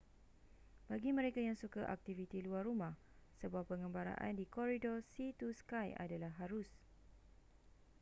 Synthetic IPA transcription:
b̥aɡimə̃ɾekajaŋsukaʔa̰k̚t̪ivit̪iluarumãh | səbuahpəŋə̃mbaɾa̰ʔa̰ndikɔɾidɔsit̪uskaja̰dalahɦaɾʊs

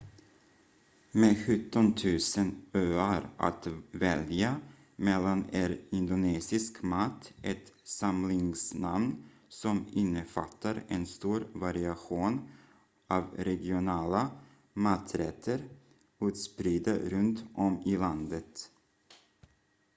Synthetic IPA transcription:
meɧɵt̪ːɔnt̪ʰʉ̟ːsənøːaɾʔa̰t̪vɛlja | mɛlːanɛɾɪnd̪ʊneːsɪskmat̪ːʔɛt̪samlɪŋsnamn | sɔmɪnːəfat̪ʰːaɾɛnst̪uːɾvaɾɪaɧuːn | ʔɑːvɾɛɡɪʊnɑːla | mat̪ʰɾɛt̪ʰːəɾ | ʉ̟ːt̪spɾiːd̪aɾɵnt̪ʔɔmɪland̪ət̪

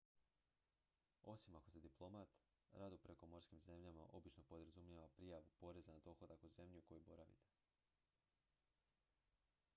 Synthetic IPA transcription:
o̞simakosed̪iplˠo̞mat̪ | ɾad̪upɾe̞ko̞mo̞ɾskimze̞mʎamaʔo̞bit͡ʃno̞po̞d̪ɾazumʎaʋapɾijaʋupo̞ɾe̞zanad̪o̞xo̞d̪akuze̞mʎuko̞jubo̞ɾaʋḭt̪e̥

